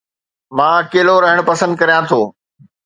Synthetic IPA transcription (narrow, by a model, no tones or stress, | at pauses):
mãːkeːloɾɐɦɪɽ̃pɐsə̃nd̪̚kɐɾijãt̪ʰoː